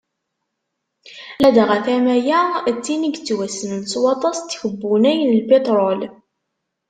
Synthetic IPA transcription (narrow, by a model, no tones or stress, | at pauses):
læd̪ʁæθæmæjæt͡sːiniɡt͡sːwæsənənt͡swɑt̪ˤɑst̪ːçəbːunæjnəlbet̪ˤɾˤɔl